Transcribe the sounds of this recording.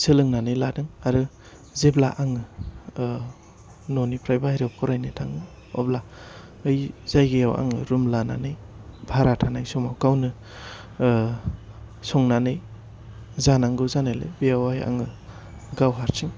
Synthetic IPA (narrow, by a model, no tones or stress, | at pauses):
sɯlɯŋnanɯjladɯŋaɾɯ | zeblaʔaŋɯ | nɔnipʰɾajbajɾewkʰɔɾajnajtʰaŋɯ | ɔ̰bla | ɯjz̥ajɡejawa̰ŋɯɾumlananɯj | bʱaɾatʰanajsɔmawkawnɯ | sɔŋnanɯj | zanaŋɡɯzanajlḛjbeawaja̰ŋɯ | ɡawɦaɾtʰiŋ